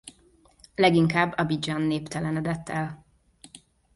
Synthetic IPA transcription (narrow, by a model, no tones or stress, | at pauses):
lɛɡiŋkaːbːɒbid͡ʒɒnːeːpt̪ɛlɛnɛd̪ɛt̪ːɛl